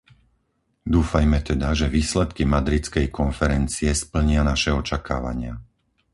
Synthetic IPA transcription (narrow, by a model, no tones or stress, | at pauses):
d̪uːfajmɛt̪ɛd̪aʒɛʋiːslɛt̪kimad̪ɾit͡skɛjkɔnfɛɾɛnt͡siɛspl̩ɲɪanaʃɛɔt͡ʃaka̰ːʋa̰ɲɪa